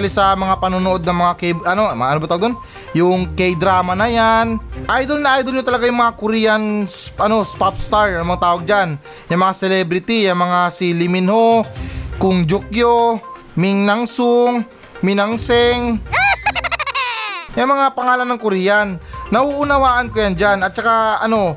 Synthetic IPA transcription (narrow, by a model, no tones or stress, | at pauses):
lɪsɐmɐŋapɐnonoʔo̞d̪̚nɐŋmɐŋakɛjʔɐno̞mɐaʔɐnobɐt̪awɡd̪on | jʊŋkɛjd̪ɾaːmɐnɐjanʔajd̪olnɐʔajd̪olɲot̪ɐlɐɡajʊŋmɐŋakʊɾijɐnsʔɐno̞spapst̪aɹɐŋmɐŋat̪aːwoɡ̚d͡ʒan | jɐŋmɐŋasɛlɛbɾɪt̪ijɐŋmɐŋasilɪmɪnhokʊŋd͡ʒʊk̚jo | mɪŋnɐŋsʊŋ | mɪnɐŋsɛŋ | jɐŋmɐŋapɐŋaːlɐnːɐŋkʊɾijanːɐhuʔʊnɐwaːʔɐnkojand͡ʒanɐt̪̚t͡ʃɐkaʔɐno̞